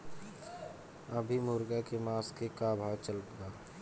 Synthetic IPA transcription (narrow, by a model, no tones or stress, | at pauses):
əbʱimuːɾɡakemaːskekabʱaːwt͡ʃəlpɡaː